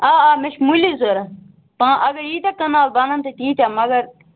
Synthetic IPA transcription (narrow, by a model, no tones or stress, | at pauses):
aːaːmeʃmulizoːɾɐ | pãːʔɐɡɐɾiːt̪ɐkːɐnaːlbɐnɐnt̪et̪iːt̪aːmɐɡɐɾ